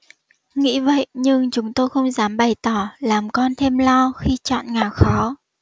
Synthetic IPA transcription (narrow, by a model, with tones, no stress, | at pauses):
ŋḭ˧˥və̰˧˨jɲɨ˧ŋt͡ɕʊ˨˦ŋ͡mt̪o˧jxə˧wŋ͡mzaː˨˦mɓə˨˩jt̪ɔ˧˩laː˨˩mkɔ˧nt̪ʰe˧mlɔ˧xi˧t͡ɕɔ̰ː˧˨nŋaː˨˩wxɔ˨˦